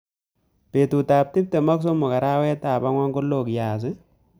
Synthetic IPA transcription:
pe˨tu˨ta˨p̚tɪ˦p̚te˨mɔ˦ks̬o˦mʊ˨ka˨ɾa˦wɛ˦ta˨pa˦ŋwɔ˦ŋko˦lo˦˨kjaː˨s̬ɪ˦

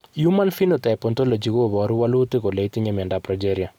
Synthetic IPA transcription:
juma˦nfi˦notɛ˨pɔ˨ntɔ˦lo˨d͡ʒi˨ɣobɔ˨ɾuwalu˦ti˦kole˨iti˦ɲemɛ˨ndapɾɔ˨d͡ʒeɾja˨

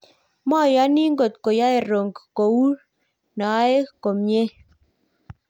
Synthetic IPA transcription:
mɔ˦˨ja˦nɪ˦ŋɡo˨t̪ko˨ja˦e˨ɾo˨ŋɡko˨u˦ | na˨a˦e˦ko˨mɲe˦

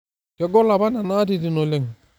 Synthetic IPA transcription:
kɛ˦ɡɔ˦la˨ba˦na˨na˦ti˨ti˨no˨le˨ŋ

